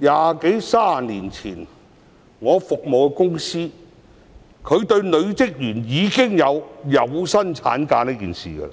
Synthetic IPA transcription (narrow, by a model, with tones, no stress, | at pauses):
jaː˨ke˨˥jsaː˥niː˨˩nt͡sʰiː˨˩n | ŋɔː˨˧fʊ˨k̚mo˨wkɛ˧kʊ˥ŋsiː˥ | kʰɵ˨˧ɥt̪ɵ˧ɥlɵ˨˧ɥt͡sɪ˥k̚jyː˨˩njiː˨˧kɪ˥ŋjɐ˨˧wjɐ˨˧wsɐ˥nt͡sʰa̰ː˨˥nkaː˧niː˥kḭː˨nsḭː˨˩ɡɐ̰˧